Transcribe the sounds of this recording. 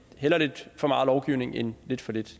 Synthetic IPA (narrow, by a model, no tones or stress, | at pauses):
helɐle̝d̥fɒ̽mɑ̈ːð̩ˠlɒʊɡ̥iʊne̝ŋenle̝d̥fɒ̽le̝d̥